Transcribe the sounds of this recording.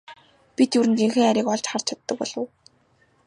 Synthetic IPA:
pʲit̪juɾɘ̆nt̪iŋxĕːŋæɾʲiːkɔɮt͡ɕχar̥t͡ɕʰat̪ːə̆k̚pɔ̰ɮ̥ə̰̆w

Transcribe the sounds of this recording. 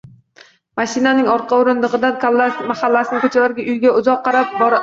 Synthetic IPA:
maʃɪnanɪŋɒɾqʰɑʊɾɪnd̪ɨʁɨd̪ankalːamaχalːasɪnɪkʰɵt͡ʃʰalaɾɡʲaʔʊjɡʲaʊzɒqʰːɑɾap̚bɒɾ

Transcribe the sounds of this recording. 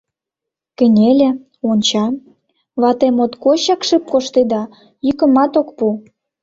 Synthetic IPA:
kə̆nʲelʲĕ | onʲt͡ɕɑ | βɑt̪emot̪koɕɑkʃəp̚koʃt̪ed̪ɑ | jykə̆mɑt̪okpu

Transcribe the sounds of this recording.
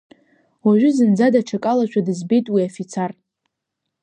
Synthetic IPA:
waʒʷᶣʊzɨnd͡zadaʈ͡ʂʰakʼalat͡ʃʷʰadɨzbejtʼwiafit͡sʰar

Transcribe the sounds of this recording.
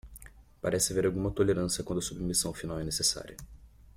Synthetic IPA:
paɾɛsɪveɾawɡũmɐt̪oleɾɐ̃sjɐkwɐ̃nd̪ɐsubmisɐ̃w̃finawɛnesesa̰ɾiɐ

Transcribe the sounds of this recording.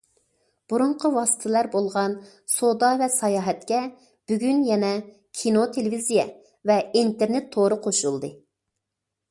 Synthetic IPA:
b̥uɾʊɴqʰəwɑsɨ̥t̪ʰɨlæɾbolˠʁɑn | sod̪ɑvɛsɑjɑːɦɛt̪̚kʲɛ | b̥yɡʲynjɛnɛ | kʲʰinot̪ʰelɪvizijɛ | vɛint̪eɾnet̪ʰːoɾɨqʰoʃulˠd̪ɨ

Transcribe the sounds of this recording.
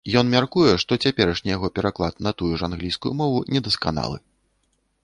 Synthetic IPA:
jɔnmʲarkujɛʂt̪ɔt͡sʲapʲɛɾɐʂnʲijaɣɔpʲɛɾaklˠat̪nɐt̪ujuʐanɣlʲijskujumɔvunʲɛd̪ɐska̰na̰lˠɨ̰

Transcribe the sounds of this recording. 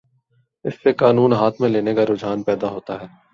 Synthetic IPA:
ɪsːekaːnuːnɦaːt̪ʰmẽleːnekaɾoːd͡ʒaːnpɛːd̪aɦoːt̪aɦɛː

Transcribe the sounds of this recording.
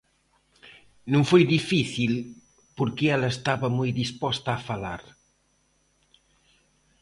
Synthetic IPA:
nũŋfojðifiθil | poɾkeɛlɐest̪aβɐmojd̪ispɔst̪aːfalaɾ

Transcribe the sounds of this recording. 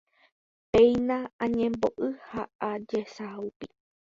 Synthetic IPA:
pẽj̃nããɲẽmbo̰ʔɨhaʔad͡ʒesaupi

